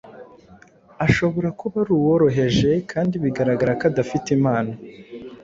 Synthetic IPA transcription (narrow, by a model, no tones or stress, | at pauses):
aʃo̞βo̞ɾakʰoβaɾuːwoɾo̞ɦe̞ʒe̞kʰaːndiβiɡaɾaɡaɾakadafitimaːna